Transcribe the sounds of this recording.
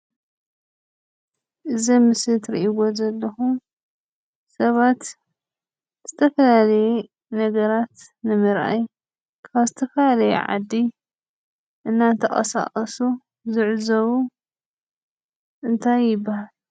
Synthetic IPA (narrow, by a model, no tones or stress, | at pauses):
ʔɨzɐmɨsɨt̪ɾḭʔiwo̞zɐlːɐxu | sɐβat̪ | z̥ɨt̪ʰɐfɐlalɐjɛ | nɐɡɐɾat̪ | nɨmɨɾʔa̰j | kʰaβzɨt̪ʰɐfɐlalɐjɛ̰ʕa̰d̪ːi | ʔɨnːant̪ʰɐχʼɐ̰sa̰qʼɐsu | zɨʕzɐβu | ʔɨnt̪ʰajːɪbːahal